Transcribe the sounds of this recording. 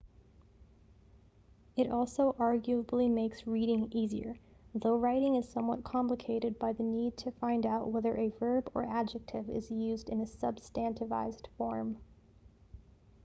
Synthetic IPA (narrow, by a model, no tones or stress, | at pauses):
ɨɾɔlˠsoʊʔɑɹɡjʉəbl̩ˠimeɪksɹiɾɪ̃ŋiziə̰˞ | ðoʊɹaɪɾɪ̃ŋɨz̥sʌ̃mwʌ̰t̚kʰɑ̃mpləkʰeɪɾɨd̚baɪðɨnid̚tʰɨfãɪ̃ndaʊʔwɛðə˞ʔɨvɜ˞bə̰˞ʔæd͡ʒɨk̚tʰɪvɪ̰zjʉzdɨ̃nɨsʌb̥stæ̃ntɨva̰ɪzd̥fɔɹm